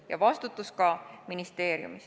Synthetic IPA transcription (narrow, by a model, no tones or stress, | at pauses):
jɑ̰vɑst̪ut̪ːˑuskɑminist̪e̞ːɾjṵmis